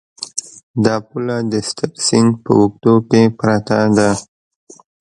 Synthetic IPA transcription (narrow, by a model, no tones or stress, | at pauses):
d̪ɑpulad̪əst̪aksɪŋɡpə̰wuk̚t̪okepɾat̪ad̪a